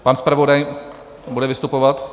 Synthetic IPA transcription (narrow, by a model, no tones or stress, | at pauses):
panspɾavodaj | budɛvɪst̪upovat̪